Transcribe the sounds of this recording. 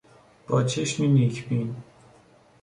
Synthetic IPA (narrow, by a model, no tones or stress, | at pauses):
b̥ɒːt͡ʃʰeʃminicʰbiːn